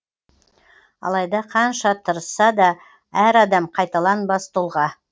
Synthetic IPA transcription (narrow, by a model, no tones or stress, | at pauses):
ɑ̰lˠɑjd̪ɑqʰɑnʃɑt̪ʰəɾəsːɑd̪ɑ | æɾɑd̪ɑmqʰɑjt̪ɑlˠɑnbɑst̪ulˠʁɑ